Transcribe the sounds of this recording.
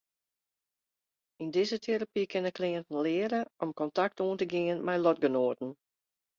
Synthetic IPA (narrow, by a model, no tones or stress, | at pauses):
indɪzətʰeɾapikʰɪnəkʰlɪəntn̩lɪːəɾəʔɔmkɔntak̚tuːəntəɡɪənmɛjlɔtɡənoətn̩